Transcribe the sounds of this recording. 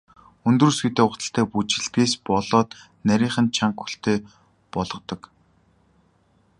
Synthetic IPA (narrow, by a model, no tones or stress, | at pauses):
ɵnt̪ruːsɡet̪eːʊt͡s̪ə̆ɬt̪ʰæːput͡ɕɪ̆ɮp̪eːspɔɮɔːt̪ | næɾʲiːɴχə̆nt͡ɕʰaŋkxu̥ɬt̪ʰeː | pɔɮɞ̆qt̪ɞ̆k